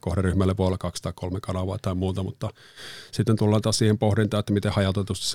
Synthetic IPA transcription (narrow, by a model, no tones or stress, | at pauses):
kohɾeryhmælːeʋoolːɑkɑkst̪ɑˑikkolmekɑnɑʋɑːt̪ɑimuːt̪ɑmut̪ːɑ | sit̪ːent̪ulːɑːnt̪ɑːssiːhempohrint̪ɑːet̪ːæmit̪ehɑjɑt̪et̪ust̪ɑ̥s